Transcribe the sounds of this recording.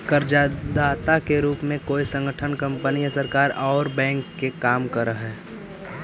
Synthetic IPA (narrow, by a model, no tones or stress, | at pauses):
kəɾd͡ʒad̪aːt̪akeɾuːpmẽkoːisə̃ŋɡəʈʰənkə̃mpənijəsəɾkaːɾɔːɾbɛ̃ːŋkːekaːmkəɾəɦɛː